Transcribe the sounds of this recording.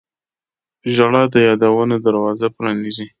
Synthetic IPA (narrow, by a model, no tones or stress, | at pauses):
ʒaɽɑd̪əjɑd̪awənod̪aɾwɑzapɾɑnizi